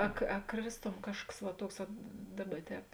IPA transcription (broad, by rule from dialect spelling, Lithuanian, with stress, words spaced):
ɐ ɐ ˈkrʲeːsˌtoːm ˈkɑːʃkɐs ʋɐ ˈtuɔks ʋɐt ˈdɑːˌbɐ ˈtʲɛːp